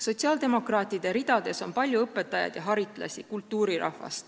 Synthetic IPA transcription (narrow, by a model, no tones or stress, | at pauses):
so̞t̪ʲsiɑːld̪e̞mo̞krɑːt̪ˑːid̪e̞ɾid̪̥ɑd̪̥e̞so̞mpɑlʲjuɤpːe̞t̪ːˑɑjɑ̰d̪̥jɑɦɑɾit̪ˑlɑ̰sʲikult̪ːˑuːɾiɾɑ̰hvɑ̰st̪